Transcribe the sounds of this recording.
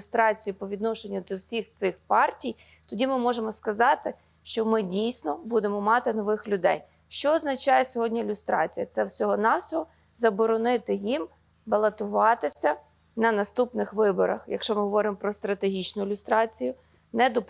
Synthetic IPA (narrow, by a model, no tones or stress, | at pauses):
ʊst̪ɾɑt͡sʲijʊpɔʋʲid̪nɔʃenʲːʊd̪ɔwsʲixt̪sɪxpɑrtʲij | t̪ɔdʲimɪmɔʒemɔskɐzɑt̪ɪ | ʃt͡ʃɔmɪdʲijsʲnɔbud̪emɔmɑt̪ɪnɔʋɪxlʲʊd̪ɛ̰j | ʃt͡ʃɔːznɐt͡ʃɑjɛsʲɔɦɔdʲnʲɐɪlʲʊst̪ɾɑ̰t͡sʲijɐt̪sɛwsʲɔɦɔnɑwsʲɔɦɔ | zɐbɔɾɔnɪt̪ɪjim | bɐlˠɐt̪ʊʋɑt̪ɪsʲɐ | nɐnɐst̪upnɪxʋɪbɔ̰ɾɐ̰xjɐ̰kʃt͡ʃɔmɪɦɔʋɔɾɪmɔpɾɔst̪ɾɐt̪eɦʲit͡ʃnʊɪlʲʊst̪ɾɑt͡sʲijʊ | nɛd̪ɔp